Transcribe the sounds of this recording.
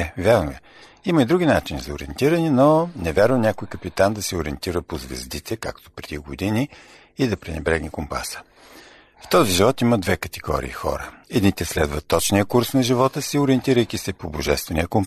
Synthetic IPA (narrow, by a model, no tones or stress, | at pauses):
ɛvjaɾnoɛ | iməid̪ɾuɡʲinat͡ʃinizɐʊɾiɛ̰nt̪iɾənɛnonɛvʲaɾvənʲakojkəpit̪and̪ɐsɛʊɾiɛnt̪iɾəpozvɛ̰zd̪it̪ʰɛkakt̪o̥pɾɛd̪iɡod̪iniː | d̪ɐpɾɛnɛbɾɛɡnikompa̰sə̥ | ft̪ɔziʒivɔt̪iməd̪vɛkət̪ɛɡɔ̰ɾḭːxɔ̰ɾəɛd̪nit̪ɛslɛd̪vət̪ːɔt͡ʃnijəkuɾsnɐʒivɔt̪əsiʊɾiɛnt̪iɾəjk̟isɛpoboʒɛst̪vɛnijəkom